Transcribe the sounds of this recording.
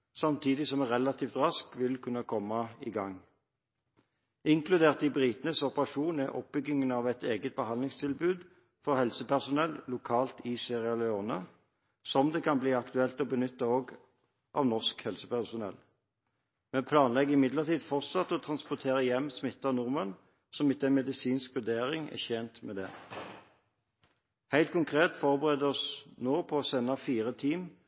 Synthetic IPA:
sɑmt̪ʰiːd̪ɪsɔmæʁɛlɑt̪ʰiːft̪ʁɑskʋɪlkʰʉnːɑkʰɔmːɑɪɡɑŋ | ɪŋkʰlʉd̪eːʁt̪ɪbʁiːt̪nəsɔpəʁɑʂuːnəʔɔ̰p̚bʏɡɪŋənɑʋɛt̪eːɡət̪̚bəhɑnlɪŋst̪ʰɪlbʉːd̪ | fɔʁhɛlsəpæʁsʊnɛlːlʊkʰɑːlt̪ɪseːʁɪɑlɛoːnɑ | sɔmd̪eːkʰɑnbliːɑkt̪ʉɛlt̪ɔbənʏt̪ːəoːɡ | ʔɑ̰ʋnɔʁskhɛlsəpæʁsʊnɛ̰l | mɛnpʰlɑːnlɛɡːɪmɪd̪ləʁt̪ʰiːd̪fɔʁt̪sɑt̪ːɔːt̪ʰʁɑnspɔt̪ʰeːʁəjɛmːsmɪt̪ːɑnʊʁmən | sɔmɪt̪ːɛnmɛd̪ɪsiːnskʋʉd̪eːʁɪŋɛ̰çɛːnt̪mɛːd̪ɛ̰ː | hæɪlt̪̚kʰʊŋkʰʁeːt̪fɔʁbəʁeːd̪əɔsnoːpʰɔːsɛnːɑfiːʁət̪ʰiːm

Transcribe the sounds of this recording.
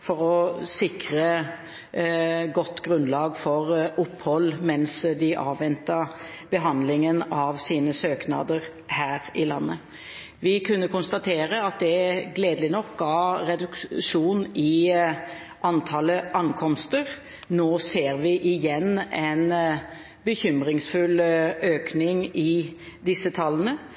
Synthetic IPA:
fɔʁɔsɪkɾə | ɡɔt̪ːɡɾʉnlɑːɡfɔʁʔʊpːhɔlːmɛnsd̪ɪʔɑ̰ːʋʋɛnt̪ɑ | b̥əɦɑnd̪lɪŋənɑʋsiːnəsøːknɑ̰ːd̪əʁ | hæːɾɪlɑnːə | ʋɪkʰʉnːəkʊnst̪ɑt̪ʰeːʁəɑt̪̚d̪ɛɡleːd̪əlɪnɔk̚ɡɑːɾɛd̪ʉkʂuːnɪ | ʔɑnt̪ʰɑːləʔɑŋkʰɔmst̪əʁ | noːseːɾʋɪʔɪjɛnɛn | bəçʏmɾɪŋsfʉløːknɪŋɪd̪ɪsːət̪ʰɑlːənə

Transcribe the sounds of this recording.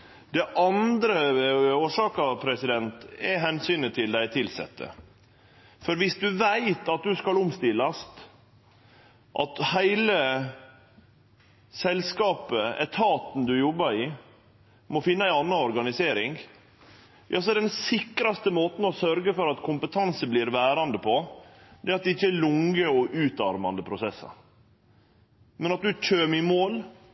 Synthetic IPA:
d̪̥ɛʔɑnd̪ɾəoːʂɑːkɑpʰɾɛsɪd̪ɛnt̪ɛɦɛnsyːnət̪ʰɪld̪æɪt̪ʰɪlsɛ̰t̪ʰːə̰ | fɔɾʋɪsd̪ʉʋæɪt̪ɑt̪̚d̪ʉskɑlʊmst̪ɪlːɑst̪ | ʔɑt̪hæɪlə | sɛlskɑːpəɛ̰t̪ʰɑːt̪n̩d̪ʉjɔbːɑɾɪ | mɔfɪnːəæɪɑnːɑɔɾɡɑnɪseːɾɪŋ | jɑ̰ːs̬ɔɛɾɛd̪ɛnsɪkɾɑst̪əmoːt̪n̩ɔsœɾɡəfɔɾɑt̪kʰʊmpət̪ʰɑnsəbliɾʋæːɾɑnd̪əpʰɔd̪ɛɑt̪̚d̪ɛɪçːəælʊŋəɔʔʉːt̪ɑɾmɑnd̪əpʰɾʊsɛsːɑ̰ | mɛnɑt̪̚d̪ʉc͡çʰøːmɪmoːl

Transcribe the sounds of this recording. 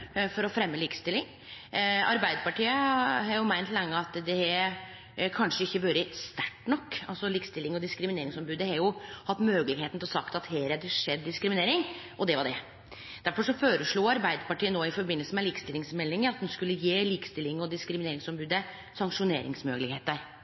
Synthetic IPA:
fɔɾɔfɾɛmːəliːkə̥st̪ɪlːɪŋ | ɑ̰ɾbæɪd̪əpɑʈiːəɦhɑɾjʊmæɪnt̪lɛŋːəɑt̪d̪ɛɛ | kʰɑnʂəɪçːəʋøːɾəst̪æʈːnɔkːɑlsɔliːkst̪ɪlːɪŋɔd̪ɪskɾɪmɪneːɾɪŋsɔmbʉːd̪əhɑɾjʊhɑt̪ːmøːɡlɪɡheːt̪nt̪ʰɪlɔsɑkt̪ɑt̪heːɾɛd̪əʂɛd̪ːɪskɾɪmɪneːɾɪŋ | ʔɔd̪ɛʋɑɖɛ | d̪̥æɾfɔʂɔføːɾəʂɭuːɑɾbæɪd̪əpɑʈiːənoːɪfɔɾbɪnːəlsəmɛliːkə̥st̪ɪlːɪŋsmɛlːɪŋəɾɑt̪̚d̪ɛnskʉlːəjeːliːkə̥st̪ɪlːɪŋɔd̪ɪskɾɪmɪneːɾɪŋsɔmbʉːd̪ə | sɑŋkʂʊnḛːɾɪ̰ŋsmøːɡəlɪɡheːt̪əɾ

